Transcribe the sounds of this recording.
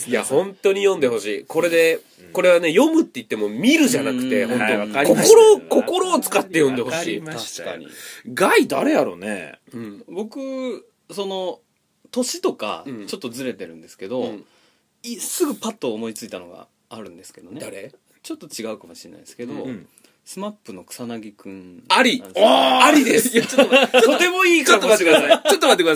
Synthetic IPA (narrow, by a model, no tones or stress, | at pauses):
jahõ̞nt̪o̞ɲ̟ijõnd̪e̞ho̞ɕiːko̞ɾe̞d̪e̞ | ko̞ɾe̞βane̞jo̞mɯ̟t̪ːe̞it̪ːe̞mo̞mʲiɾɯ̟ʑanakɯ̟t̪e̞honoaakooɾoko̞ko̞ɾo̞ːt͡sɨ̥kat̪ːe̞jõ̞nd̪e̞ho̞ɕiːaɕka̰ɲḭɡaid̪aɾe̞jaɾo̞̰nḛɯ̃ɴbo̞kɯ̟ | so̞no̞ | t̪o̞ɕit̪o̞ka̰t͡ɕo̞t̪ːo̞zɨɾe̞t̪e̞ɾɯ̟̃nd̪e̞sɨ̥ke̞d̪o̞ | isɨɡɯ̟pat̪ːoːmo̞it͡sɨit̪ano̞ɡa̰ː | ɾɯ̟̃nd̪e̞sɨ̥ke̞d̪on | t͡ɕo̞t̪ːo̞t͡ɕiɡaɯ̟kamo̞ɕiɾena̰id̪eske̞d̪o̞̰ | sɨmapːɯ̟no̞kɯ̟̥sanaɡʲikɯ̟̃naɾʲiaɾʲid̪esjat͡ɕot̪ːooot̪e̞mo̞iːkaomat̪eːek̪aaot̪ːomat̪ːekd̪as